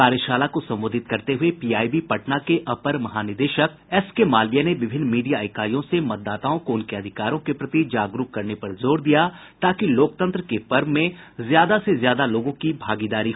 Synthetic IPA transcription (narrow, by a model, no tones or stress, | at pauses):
aːɾjəʃaːlakosɐ̃mboːd̪ʱɪt̪̚kɐɾt̪eɦʊepiːaːibipɐʈnakeʔɐpəɾmɐɦaːnɪɾd̪eːʃək̚ɛskemaːlijaneʋɪbʱɪnːmiːɖijaɪkaːɾijõsemɐt̪̚d̪ːaːt̪aːõkoʊnkeɐd̪ʱɪkaːɾõkepɾɐt̪id͡ʒaːɡɾuːpkɐɾnepɐɾzoːɾd̪ijat̪aːkiloːk̚t̪ə̃nt̪ɾəkepɐɾʋmẽzjaːd̪asezjaːd̪aloːɡõkibʱaːɡid̪aːɾi